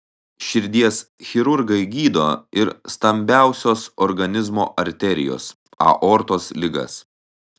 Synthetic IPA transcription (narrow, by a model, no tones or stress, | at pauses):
ʃʲɪɾʲd̪ʲiɛsxʲɪɾʊɾɡɐɪɡʲiːd̪oːɪɾst̪ɐmʲbʲæˑʊsʲoːsɔɾɡɐnʲɪzmo̰ːʔɐɾʲt̪ʲɛɾʲɪ̰jo̰ːs | ɐ̰ʔɔːɾt̪oːslʲɪɡɐ̰s